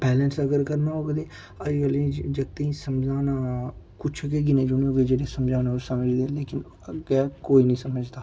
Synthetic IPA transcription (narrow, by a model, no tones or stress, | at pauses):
bɛːlənsəɡəɾkəɾnaːoːɡd̪eː | əd͡ʒɡəlẽːd͡ʒəɡ̚t̪əĩːsəmd͡ʒaːnaː | kʊt͡ʃʰɡeːɡ̬ɪnẽːd͡ʒʊnioːɡeːd͡ʒeːɽeːsəmd͡ʒaːnãːosəməd͡ʒd̪eːleːkɪn | əɡɛːkoːiːnəĩːsəməd͡ʒd̪aː